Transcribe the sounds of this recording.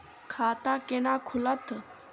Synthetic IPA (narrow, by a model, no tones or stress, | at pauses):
kʰaːt̪aːkenaːkʰulət̪